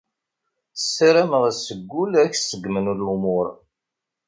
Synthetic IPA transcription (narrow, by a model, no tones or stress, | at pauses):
əsɾæməʁsəɡʷːulæçsəɡːmənulumʊɾ